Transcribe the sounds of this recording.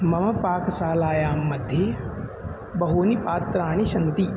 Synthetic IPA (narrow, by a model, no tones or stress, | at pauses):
mɐmɐpaːksaːlaːjaːmːɐd̪ʱje | bɐɦoːnipaːt̪ɾaːñiʃɐnt̪i